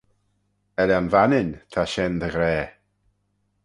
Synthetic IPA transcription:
ɛɾanvanɪnt̪ʰaʃɛnðəɣɾɛː

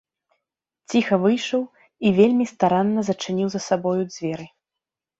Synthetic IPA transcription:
t͡sʲixɐvɨjʂɐw | ivʲelʲmʲist̪aɾanːɐzɐt͡ʂɨnʲiwzɐsabɔjud͡zʲvʲɛɾɨ

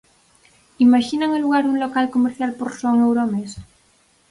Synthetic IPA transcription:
imaʃinaŋeluɣaɾuŋlokalkomeɾθjalpoɾsoŋewɾomes

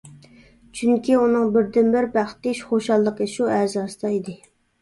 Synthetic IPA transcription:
t͡ʃʰyŋkʲiunɨŋbɪɾd̪ɪnbɪɾbæχt̪ɪʃχoʃɑlˠːəqəʃuæzɑːsɨ̥d̪ɑid̪ɪ

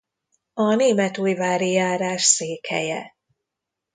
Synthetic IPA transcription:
ɒneːmɛt̪uːjvaːɾijaːɾaːʃseːkhɛ̰jɛ

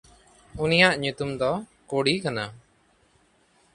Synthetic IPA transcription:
unijaʔɲut̪umd̪ɔkoɽikana

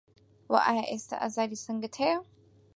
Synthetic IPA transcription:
wɐ̰ʔa̰jaʔest̪ʰɐ̰ʔa̰zad̪isɨŋɡɨt̪ʰejo

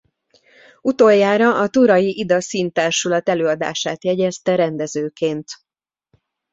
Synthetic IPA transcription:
ut̪oːjːaːɾɒɒt̪uɾɒjiʔid̪ɒsiːnt̪aːrʃulɒt̪ɛløːɒd̪a̰ːʃaːt̪jɛɟɛst̪ɛɾɛnd̪ɛzøːkeːnt̪

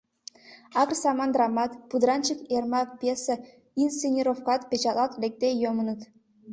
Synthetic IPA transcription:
ɑkrsɑmɑnd̪rɑmɑt̪pud̪ɾɑnt͡ɕəkermɑk̚pʲjesə | insenʲiɾofkɑt̪pʲet͡ɕɑlˠɑt̪lek̚t̪ejomə̆nə̆t̪

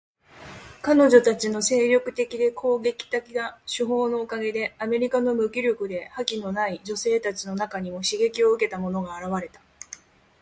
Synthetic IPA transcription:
kano̞ʑo̞t̪at͡ɕino̞se̞ːɾʲo̞kɯ̟t̪e̞kʲid̪e̞kʰo̞ːɡe̞kʲi̥t̪akʲiɡaɕɨɦo̞ːno̞ːkaɡe̞d̪e̞ame̞ɾʲikano̞mɯ̟kʲiɾʲokɯ̟d̪e̞hakʲino̞naid͡ʑo̞se̞ːt̪at͡ɕino̞nakaɲ̟imo̞ɕiɡe̞kʲio̞ɯ̟ke̞t̪amo̞no̞ɡaːɾaβ̞aɾe̞t̪ḁ

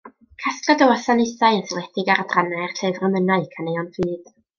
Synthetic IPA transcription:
kʰaskradəwɔsanɪsaɨənθlˠɛdɪɡaɾadranaɨrɬɨvrəmənaɨkʰanejɔnvɨːd̥

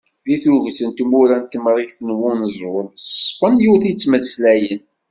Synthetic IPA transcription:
ðiθuʝt͡sənt̪muɾænt̪ːəmɾˤikθənwunəzˤwʊlsə̥sˤfənjuwθit͡sːməθslæjən

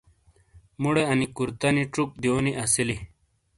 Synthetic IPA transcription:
muɽeɐnikuɾt̪ɐniʈ͡ʂuk̚d̪ioniʔɐsili

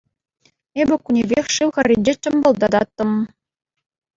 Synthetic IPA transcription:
ebʲɘ̆kunʲebʲexʲʂɯwxʲɘ̆rʲːinʲd͡ʑĕt͡ɕɤ̆mbɤ̆lˠd̪ɑd̪ɑt̪ːɤ̆m

